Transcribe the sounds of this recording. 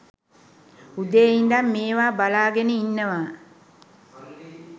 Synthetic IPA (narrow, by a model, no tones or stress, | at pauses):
ud̪eːind̪amːeːʋaːbalaːɡenəinːəʋaː